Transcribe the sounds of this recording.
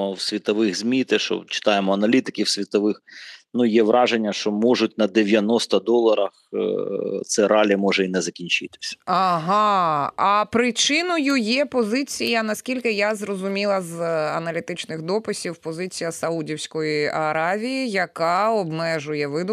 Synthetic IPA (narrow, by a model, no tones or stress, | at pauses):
ɔwsʲʋʲit̪ɔʋɪxzʲmʲit̪ɛʃɔ̰t͡ʃɪ̥t̪ɑjemɔɐnɐlʲit̪ɪkʲɪwsʲʋʲit̪ɔʋɪxnujɛʋɾʔɑʒenʲːɐʃt͡ʃɔmɔʒʊt̚ʲnɐd̪eʋʲjɐnɔst̪ɐd̪ɔlˠɐɾɐx | t̪sɛɾɑlʲimɔʒɛinɛzɐkʲinʲt͡ʃɪt̪ɪ̥sʲɐ̥ɐɦɑɐpɾɪt͡ʃɪnɔjʊjɛpɔzɪt͡sʲijɐnɐsʲkʲilʲkɪjazrɔzʊmʲilˠɐzɐnɐlʲit̪ɪt͡ʃnɪxd̪ɔpɪsʲiwpɔzɪt͡sʲijɐsɐudʲiwsʲkɔjiʔɐɾɑʋʲijijɐkɑɔbmɛʒʊjɛʋɪd̪ʊ